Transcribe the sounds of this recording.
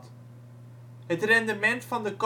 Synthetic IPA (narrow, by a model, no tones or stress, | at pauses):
t | ɦətrɛndəmɛntfɑndək